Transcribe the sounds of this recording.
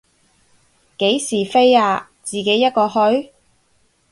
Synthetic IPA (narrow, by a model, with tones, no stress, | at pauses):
ke˨˥jsiː˨˩fe˥jaː˧ | t͡siː˨ke˨˥jːɐ˥t̚kɔː˧hɵ˥ɥ